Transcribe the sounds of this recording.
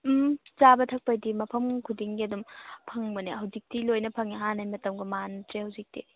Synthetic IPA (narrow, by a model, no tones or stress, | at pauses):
zabɐtʰɐk̚pajdimɐpʰɐmkʰudiŋɡiɐdumpʰɐŋbɐnihɐwzik̚tilojnɐpʰɐŋiɦanajmɐtɐmɡumantɾehɐwzik̚tḭ